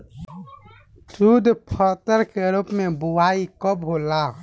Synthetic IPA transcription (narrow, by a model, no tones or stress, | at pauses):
t͡ʃuːd̪pʰɔːt̪əɾkeəɾupmẽbʊwaːikɔbɦoːla